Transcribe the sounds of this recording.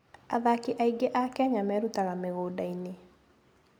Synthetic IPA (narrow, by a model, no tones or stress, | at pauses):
a̰ðakiʔaiɡeʔakɛɲamɛɾutaɣameɣoːdaine